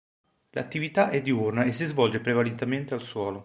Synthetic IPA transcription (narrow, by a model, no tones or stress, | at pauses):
la̰t̪ːivit̪aʔɛd̪ːiurnaesːizvɔld͡ʒepɾevalent̪ement̪ealswɔːlo